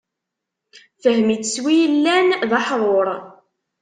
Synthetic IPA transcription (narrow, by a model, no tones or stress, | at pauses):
θəhmit͡səswijəlːænðɑħðˤoɾˤ